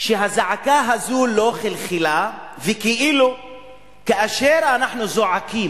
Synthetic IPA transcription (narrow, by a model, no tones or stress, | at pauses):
ʃeɦazaʕakaɦazulo̞χelχilavekiʔilu | kaʔaʃeɾanaħnuzo̞ʕakim